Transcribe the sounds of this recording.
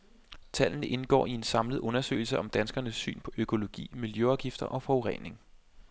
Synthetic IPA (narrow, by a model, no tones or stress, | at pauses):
t͡sʰæl̰n̩ʔe̝nɡ̥ɒ̰ːie̝nsɑ̈mlð̩ˠʔɔ̽nɐsø̰ːɪl̩səʔɒ̽md̥ænsɡ̥ɐnəsːy̰ːnpʰɒ̽ʔøkʰo̝lo̝ɡ̥ḭːmiljøɒ̈ʊɡ̥ifd̥ɐʔɒ̽fɒoʁɛ̰ne̝ŋ